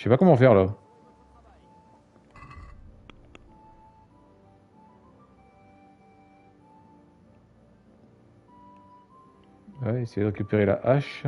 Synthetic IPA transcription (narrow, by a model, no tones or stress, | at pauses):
sɛpakɔmɑ̃fɛʁla | wɛesɛjd̪əʁekʲypeʁela̰ʔaʃ